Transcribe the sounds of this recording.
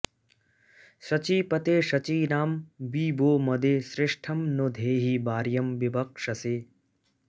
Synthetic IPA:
sɐt͡ʃiːpɐt̪eːʃɐt͡ʃiːnaːmbiːboːmɐd̪eːsɾɪʂʈʰɐmnod̪ʱeːɦibaːɾjɐmʋibɐkʂɐseː

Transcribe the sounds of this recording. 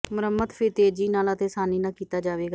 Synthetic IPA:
mʊɾəmːət̪pʰɪɾt̪eːd͡ʒiːnaːlət̪eːsaːniːnãːkiːt̪aːd͡ʒaːʋeːɡaː

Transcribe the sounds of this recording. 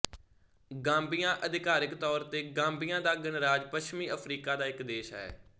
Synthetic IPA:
ɡãːmbɪjãːʔəd̪ɪkaːɾɪkt̪ɔːɾt̪eːɡãːmbɪjãːd̪aːɡənɾaːd͡ʒpəʃmiːəpʰɾiːkaːd̪aːɪkd̪eːʃɦɛ̰ː

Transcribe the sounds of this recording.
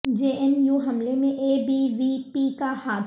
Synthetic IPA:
d͡ʒeːʔɛmjuːɦɐmlemẽʔeːbiʋipikahaːd̪

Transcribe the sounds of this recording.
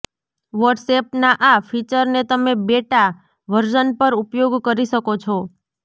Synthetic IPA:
ʋəɖsep̚naʔafit͡ʃəɾnet̪əmebeʈa | ʋəɾd͡ʒənpəɾupjoɡkəɾiʃəkot͡ʃʰɔ

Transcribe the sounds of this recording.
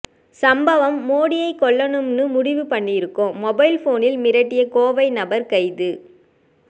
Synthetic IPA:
sɐmbɐʋɐmːoːɽɪjɐɪkːɔɭːɐnɯmnɯmʊɽɪʋɯpɐɳːɪjɪɾɯkːoːɔbɐɪlfoːnɪlmɪɾɐʈːɪjɐkoːʋɐɪnɐbɐɾkɐɪðɯ

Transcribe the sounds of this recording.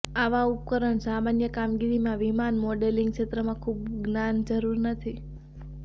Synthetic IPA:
aʋaup̚kəɾəɳsamanjəkamɡiɾimãʋimanmɔɖeliŋɡʃet̪ɾəmãkʰub̚ɡnand͡ʒəɾuɾnət̪ʰi

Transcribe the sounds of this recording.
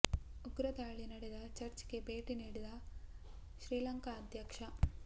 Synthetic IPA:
uɡɾɐt̪aːɭinɐɽed̪ɐt͡ʃɐɾt͡ʃɡe̞be̞ːʈiniːɽid̪ɐ | ʃɾiːlɐŋkɐːd̪ʱjɐkʂɐ

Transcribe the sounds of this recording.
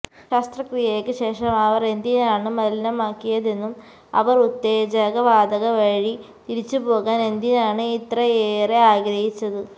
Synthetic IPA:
ɕaːst̪rɐkrijɐjekːɨɕe̞ːʂɐmɐʋɐre̞nd̪inaːɳɨmɐlinɐmaːkːijɐðe̞nːum | ɐ̰ʋɐrut̪ːe̞ːd͡ʑɐɣɐʋaːd̪ɐɣɐʋɐɻi | t̪iɾit͡ɕːɨpo̞ːɣaːne̞nd̪inaːɳɨit̪rɐeːreaːɡɾɐɦit͡ɕːɐðɨ

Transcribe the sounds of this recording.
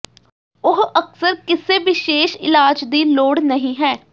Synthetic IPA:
ʊɦəksəɾkɪseːʋɪʃeːʃɪ̰laːd͡ʒd̪iːloːɽnəɦĩːɦɛː

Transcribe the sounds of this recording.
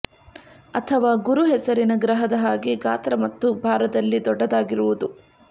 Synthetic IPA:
ɐt̪ʰɐʋaːɡuɾuɦɛsɐɾinɐɡɾɐɦɐd̪ɐɦaːɡiɡaːt̪ɾɐmɐt̪ːubʱaːɾɐd̪ɐlːid̪ɔɖːɐd̪aːɡiɾuʋud̪u

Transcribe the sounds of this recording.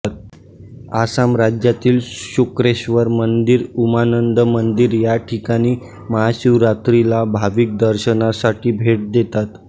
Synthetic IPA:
t̪̚ | asamɾad͡ʑjat̪iːlɕukɾeɕʋəɾmənd̪iɾumanənd̪əmənd̪iɾjaʈʰikaɽ̃iː | məɦaɕuwɾat̪ɾilabʱaʋik̚d̪əɾɕənasaʈiːbʱeʈ̚d̪et̪at̪

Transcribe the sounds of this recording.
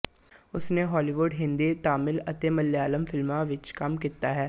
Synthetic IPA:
ʊsneɦɔːliːʋʊɖɦɪ̃nd̪it̪aːmɪlət̪eːməlːjaːləmfɪlmãʋɪt͡ʃkɐmkit̪aɦɛː

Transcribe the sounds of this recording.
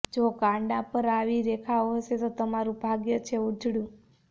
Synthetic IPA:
d͡ʒoɡãɳɖapəɾaʋiɾekʰaoɦəʃet̪ot̪əmaɾũbʱaɡjət͡ʃʰeud͡ʒʱɽjũ

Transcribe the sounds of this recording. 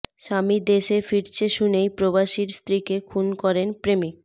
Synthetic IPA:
ʃamid̪eʃefiɾt͡ɕʰeʃunejpɾobaʃiɾst̪ɾikekʰunkɔɾenpɾemi

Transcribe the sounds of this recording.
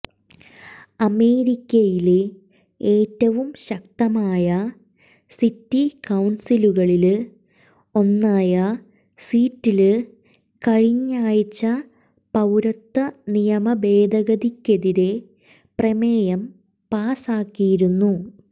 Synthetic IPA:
ɐme̞ːɾikʲːɐjile | eːtːɐʋumɕɐk̚t̪ɐmaːjɐ | sitːikɐwnsiluɣɐɭil | o̞nːaːjɐ | siːtːil | kɐɻiɲːaːjit͡ɕːɐ | pɐwɾɐt̪ːɐnijɐmɐbe̞ːd̪ʱɐɣɐðikʲːeðiɾe̞ | prɐmeːjɐm | paːsaːkːijiɾunːu

